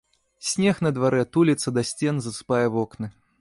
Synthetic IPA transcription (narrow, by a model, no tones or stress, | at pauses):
sʲnʲɛxnɐd̪vaɾɛt̪ulʲit̪sɐd̪asʲt͡sʲɛnzɐsɨ̥pajɛvɔknɨ